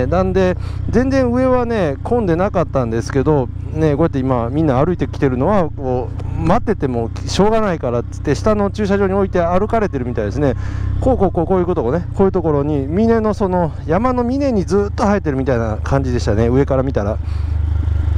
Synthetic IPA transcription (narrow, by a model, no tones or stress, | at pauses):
nãnd̪e̞ | zẽ̞nd͡zẽɰ̃ɯ̟e̞βane̞kʰõ̞nd̪e̞nakat̪ːãnd̪e̞sɨ̥ke̞d̪o̞ | ne̞ko̞jat̪ːeimamʲĩnːaːɾɯ̟it̪e̞kʲi̥t̪e̞ɾɯ̟no̞βako̞ːmat̪ːe̞t̪e̞mo̞ | ɕo̞ːɡanaikaɾat͡sɨ̥t̪ːe̞ɕi̥t̪ano̞t͡ɕɨːɕaʑo̞ːɲio̞it̪e̞aɾɯ̟kaɾe̞t̪e̞ɾɯ̟mʲit̪aid̪e̞sɨne̞koːkoːkoːkoːjiɯ̟ko̞t̪oɡonekoːjɯ̟ːt̪o̞ko̞ɾo̞ɲ̟imʲine̞no̞so̞no̞ | jamano̞mʲine̞ɲ̟id͡zɨːt̪ːo̞hait̪ːe̞ɾɯ̟mʲit̪ainakʰãɲ̟d͡ʑid̪e̞ɕi̥t̪ane̞ɯ̟e̞kaɾamʲit̪aɾa